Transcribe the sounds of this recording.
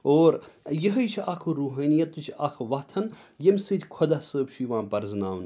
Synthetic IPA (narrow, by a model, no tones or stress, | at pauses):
oːɾjəɦəjt͡ʃʰɐkʰuɾuːɦaːnijɐt̪ːut͡ʃʰɐkʰʋɐt̪ʰɐn | jemʲsɨt̪ʰʲkʰod̪ɐsəːbt͡ʃʰuiʋãːpɐɾznaːʋn